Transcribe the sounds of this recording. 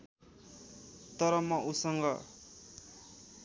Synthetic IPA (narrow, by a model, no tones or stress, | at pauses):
t̪ʌɾʌmʌʔusʌŋɡʌ